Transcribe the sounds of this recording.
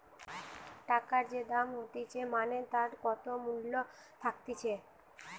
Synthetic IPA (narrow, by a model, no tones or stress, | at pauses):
ʈakaɾd͡ʒed̪amɦot̪it͡ʃʰemanet̪aɾkɔt̪omulːo | t̪ʰakt̪it͡ʃʰe